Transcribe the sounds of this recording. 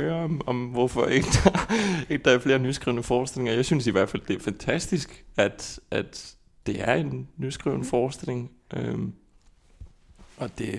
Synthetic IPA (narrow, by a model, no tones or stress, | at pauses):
øːɐɒ̽mɒ̽mʋɒfɒeɡ̥əd̥ɑeɡ̥əd̥ɑ̈æɐfle̝ːɐnysɡ̥ʁḭʊnəfɒːsd̥e̝le̝ŋɒ̽jɑ̈ɪsynsiʋæɐd̥fæld̥e̝æɐfænt͡sʰæsd̥isɡ̥æd̥ʔæd̥ | d̥e̝ʔæɐe̝nːysɡ̥ʁḭʊnəfɒːsd̥e̝le̝ŋ | ʔøm | ʔɒ̽d̥e̝